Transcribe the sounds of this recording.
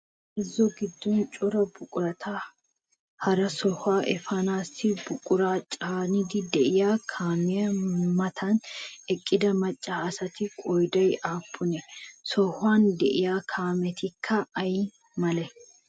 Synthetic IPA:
ʔɪzːɔɡɪd̪ːɔnt͡ʃʼʊɾɐbʊkʼʊɾɐt̪ʰa | hɐɾɐsɔhaːʔɛfɐnaːsɪbʊkʼʊɾaːt͡ʃʼaːnɪd̪ɪd̪ɛʔɪjaːkʰaːmɪjɐmɐt̪ʰɐnɛkʼːɪd̪ɐmɐt͡ʃʼːaːɐsɐt̪ɪkʼɔjd̪ɐjaːpʰːʊnɛsɔhʊaːnd̪ɛʔɪjaːkʰaːmɛt̪ɪkʰːɐɐj | mɐlɛ

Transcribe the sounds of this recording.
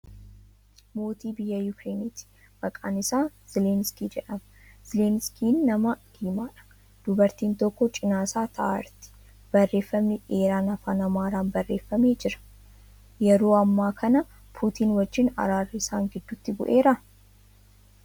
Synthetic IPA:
mo̞ːt̪iːbɪjːɐjʊkɾe̞ːnit̪ɪ̥ | b̥ɐkʼa̰ːnɪsaːz̥ɪlenskiːd͡ʒɛᶑɐmɐz̥ɪleːnskiːnːɐmɐd̪̥iːmaːᶑɐ̥ | d̪̥ʊbɐɾt̪iːnt̪ɔkːɔt͡ʃʼɪnaːsaːt̪ʰɐʔa̰ɾt̪ɪ̥ | b̥ɐrːe̞ːfːɐmnɪʔeːɾaːnɐfaːnɐmaːɾaːnbɐrːe̞ːfːɐmeːd͡ʒɪɾɐ̥ | jɛɾo̞ːɐmːaːkʰɐnɐ | pʰuːt̪iːnwɐd͡ʒːɪnɐ̰ɾaːrːɪsaːŋɡɪd̪ːʊt̪ːɪbʊ̰ʔe̞ːɾɐ

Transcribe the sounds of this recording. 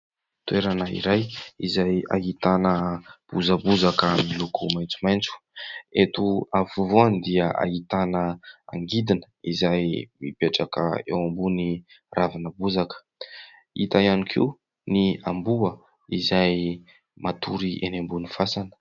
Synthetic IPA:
t̪weɾanəḭɾajizaja̰ɦit̪anəb̥uzəbuzakamilukumajnt͡sumajnt͡su̥et̪uafuvoanid̪iəʔa̰ɦit̪anəa̰ŋɡid̪inə̥izajmipeʈ͡ʂakə̰ewambuni | ravanəbuzakə̥ | it̪ajanikʰḭw | niambuə | izaj | mat̪ʰuɾiʔenembunifasan̥

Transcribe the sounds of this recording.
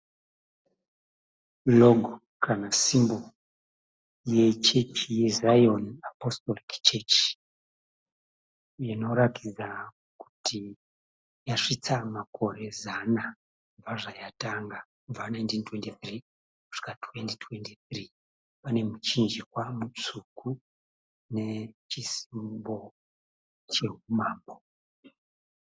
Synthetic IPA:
loɡʱo | kʰanasimbo̞ | je̞t͡ʃe̞t͡ʃije̞zajonapostolikt͡ʃet͡ʃ | jino̞ɾakid͡za | ku̥ti | jaʂit͡samako̞ɾe̞zana | uvaʐajataŋɡakuvanajntintwe̞ntiθri | ku̥ʂi̥katʰwe̞ntitʰwe̞ntiθri | pane̞mut͡ʃind͡ʒikwamut͡sukʰu | ne̞t͡ʃisi̥mbo̞ | t͡ʃe̞ɦumaːmbo

